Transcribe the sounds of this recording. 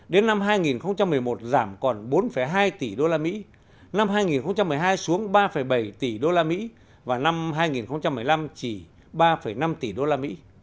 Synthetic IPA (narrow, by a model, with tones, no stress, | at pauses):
ɗe˨˦nːa˧mɦaː˧jŋi˨˩nxə˧wŋ͡mt͡ɕa˧mːɨ˨˩əjmo˨˩t̚zaː˧˩mkɔ˨˩nɓo˨˦nfə˧˩jɦaː˧jt̪i˨˩ɗo˧laː˧mḭ˧˥ | na˧mɦaː˧jŋi˨˩nxə˧wŋ͡mt͡ɕa˧mːɨ˨˩ə˩jɦaː˧jsu˨˦əŋɓaː˧fə˧˩jɓə˧˩jt̪i˨˩ɗo˧laː˧mḭ˧˥ | vaː˨˩na˧mɦaː˧jŋi˨˩nxə˧wŋ͡mt͡ɕa˧mːɨ˨˩əjla˧mt͡ɕi˧˩ | ɓaː˧fə˧˩jna˧mt̪i˨˩ɗo˧laː˧mḭ˧˥